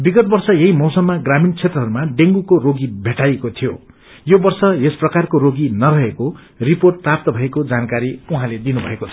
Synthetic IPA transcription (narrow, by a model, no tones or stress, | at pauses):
biɡʌt̪̚bʌrsʌjeɦimʌwsʌmːaɡramint͡sʰet̪rʌɦʌɾumaɖeŋɡukoɾoɡibʱeʈajekot̪ʰijo | jobʌrsʌesprʌkarkoɾoɡinʌɾʌɦeko | riporʈ̚prap̚t̪ʌbʱʌekod͡zankaɾiuɦãled̪inubʱʌ̰ekot͡sʰʌ̥